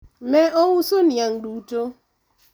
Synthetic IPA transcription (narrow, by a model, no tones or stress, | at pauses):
mɛɔwusonjaŋ̩duto